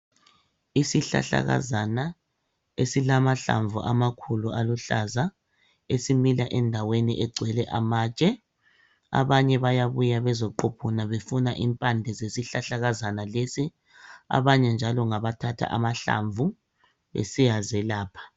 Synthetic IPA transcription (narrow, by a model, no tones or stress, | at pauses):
isiɬa̰ɬa̰ɣa̰zana | esilamaɬa̰ɱvʱuʔamakʰulualuɬaza | esimilaʔɛndʱawenḭʔɛɡ͡ǀʱwɛlɛʔamaːt͡ʃʼɛ | a̰βaɲɛβajaβujaβɛzɔǃɔpʰɔnaβefunaʔimpʼandʱɛzesiɬaɬaɣazanalesi | a̰βaɲɛnd͡ʒʱalɔŋaβatʰatʰa̰ʔamaɬa̰ɱvu | ḛsijazɛlaːpʰḁ